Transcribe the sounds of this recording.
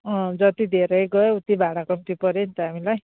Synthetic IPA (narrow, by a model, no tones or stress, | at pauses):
ʌ̃d͡zʌt̪id̪ʱeɾʌjɡʌeut̪ibʱaɽakʌmt̪ipʌɾent̪ʌɦamilaj